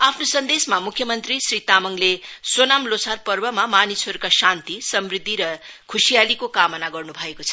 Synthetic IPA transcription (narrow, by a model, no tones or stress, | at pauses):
apʰnosʌnd̪esmamukʰjʌmʌnt̪risrit̪amʌŋlesonamlosʰarpʌrbʌmamanisʌɾukasant̪isʌmrid̪ʱːiɾʌkʰusijalikokamʌnaɡʌrnubʱʌekot͡sʰʌ